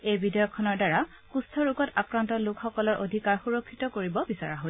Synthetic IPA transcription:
ejbidɔjɔkʰːɔnɔɹdaɹa | kustʰɔɹukɔtakɹantɔlʊkxɔkɔlɔɹʔodʱikaɹxuɹɔkʰːitɔkoɹibɔbisaɹaɦo

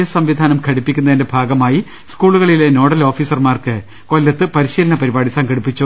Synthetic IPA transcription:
jɐsɐmʋid̪ʱaːnɐmkʰɐɽipːikʲːunːɐðinde̞bʱaːɡɐmaːji | skuːɭuɣɐɭileno̞ːɽɐloːfiːsɐrmaːrkɨ | ko̞lːɐt̪ːɨpɐɾiɕiːlɐnɐpɐɾibaːɽisɐŋɡɐɽipːit͡ɕːu

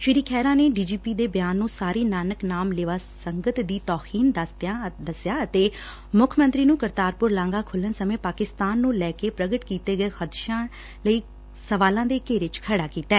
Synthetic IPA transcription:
ʃɪɾiːkʰɛːɾãːneːɖiːd͡ʒiːpiːd̪eːbjaːnːũːsaːɾiːnaːnəknaːmlɪʋaːsəŋɡət̪d̪iːt̪ɔːhʰiːnd̪əst̪jad̪əsjaːət̪eː | mʊkʰmə̃nt̪ɾiːnũːkəɾt̪aːɾpʊɾlãːŋɡaːkʰʊlːənsəmẽːpaːkɪst̪aːnːũːlɛːkeːpɾəɡəʈkiːt̪eːɡəeːxəd̪ʃãː | ləiː | səʋaːlãːd̪eːkeːɾɪt͡ʃkʰəɽaːkiːt̪ɛː

